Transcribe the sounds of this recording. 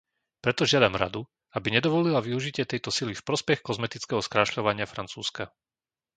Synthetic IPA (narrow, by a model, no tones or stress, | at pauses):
pɾɛt̪ɔʒɪad̪amɾa̰d̪u | abiɲɛd̪ɔʋɔlilaʋiuʒicɪɛt̪ɛjt̪ɔsilifpɾɔspɛxkɔzmɛt̪it͡skɛɦɔskɾaʃʎɔʋaɲɪafɾant͡suːska